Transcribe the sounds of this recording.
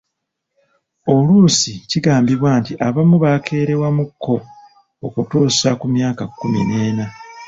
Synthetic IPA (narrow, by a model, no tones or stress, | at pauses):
o̞luːsiciɡaːmbiβwaːntiʔaβamuβakʰe̞ːɾe̞wamukʰːo̞ː | kutoːsakumjaːkakːumḭneːna